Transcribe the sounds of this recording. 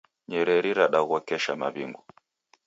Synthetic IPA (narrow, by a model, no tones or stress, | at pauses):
ɲɛɾɛɾiɾaɗaɣuɔkɛʃama̰βḭŋɡu